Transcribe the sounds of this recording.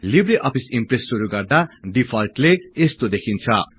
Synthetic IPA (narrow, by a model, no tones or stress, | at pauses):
libriʔʌpʰisimpresːuɾuɡʌrd̪aɖipʰʌlʈleːst̪od̪ekʰint͡sʰʌ